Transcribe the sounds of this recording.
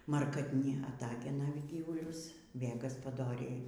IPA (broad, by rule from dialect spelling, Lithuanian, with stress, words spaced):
mɐrkɐtʲˈnʲɪ ɐˈtɑːɡʲɛnɐ ˈɡʲiːʋʊlʲʊs ʋʲeː ɡɐspɐˈdoːrʲɛɪ